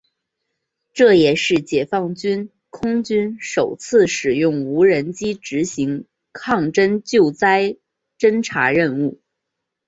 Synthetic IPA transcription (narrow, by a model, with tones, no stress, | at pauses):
ʈ͡ʂɤ˥˩jɛ˨˩ʂɻ̩˥˩t͡ɕjɛ˨˩fɑ˥˩ŋt͡ɕy˥n | kʰʊ˥ŋt͡ɕy˥nʂo˨˩ʊt͡sʰɹ̩˥˩ʂɻ̩˨˩jʊ˥˩ŋu˧˥ɻə˧˥nt͡ɕi˥ʈ͡ʂɻ̩˧˥ɕi˧˥ŋ | kʰɑ˥˩ŋʈ͡ʂə˥nt͡ɕjo˥˩ʊt͡sa˥ɪ | ʈ͡ʂə˥nʈ͡ʂʰa̰˧˥ɻə˥˧nu˥˩